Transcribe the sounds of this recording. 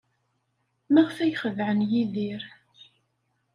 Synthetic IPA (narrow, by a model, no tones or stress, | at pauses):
mæʁθæjχəvʕənjiðiɾ